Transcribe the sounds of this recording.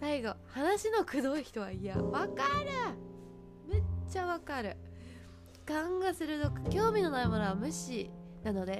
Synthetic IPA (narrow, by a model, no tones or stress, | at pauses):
saiɡo̞hanaɕino̞kɯ̟d̪o̞içi̥t̪o̞βa̰ija̰βakaɾɯ̟ | me̞t͡ɕaβakaɾɯ̟ | kãŋɡasɨɾɯ̟t̪okɯ̥kʲo̞ːmʲino̞naimonoβamɯ̟ɕi | nano̞d̪e̞